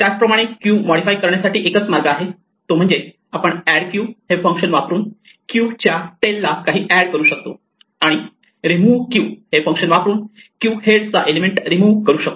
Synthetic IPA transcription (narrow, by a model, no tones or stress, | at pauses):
t̪jat͡spɾəmaɽ̃ekjuːmɔɽifajkəɾɳjasaʈiːʔekət͡smaɾɡaːɦe | t̪om̤əɳd͡ze | apəɳæɽkjuːhefə̃ŋkɕənʋapɾuːn | kjut͡ɕjaʈelːakaɦiːʔæɽkəɾuːɕək̚t̪o | aɽ̃i | ɾimuːʋkjuːhefə̃ŋkɕənʋapɾuːnkjuːɦeɽt͡saʔelemeɳʈɾimuːʋkəɾuːɕək̚t̪o